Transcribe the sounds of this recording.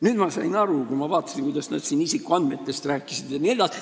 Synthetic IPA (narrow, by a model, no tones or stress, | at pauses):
nyd̪mɑsɑ̰inɑrukuimɑvɑːt̪ːˑɑ̥siŋkuijd̪ɑsnɑ̰ːd̪siːnisikːˑuɑnd̪̥met̪ːest̪ræːkːˑisid̪̥jɑnield̥̪ɑ